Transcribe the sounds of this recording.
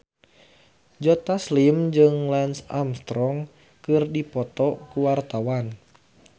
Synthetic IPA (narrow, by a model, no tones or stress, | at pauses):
d͡ʒɔt̪aslimd͡ʒɨŋlɛnsamst̪ɾɔŋ | kɨrdipɔt̪ɔkuwart̪awan